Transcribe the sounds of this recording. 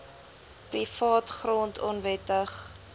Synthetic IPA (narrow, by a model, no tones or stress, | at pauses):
prifɑːtχrɔntʰɔnvɛtəχ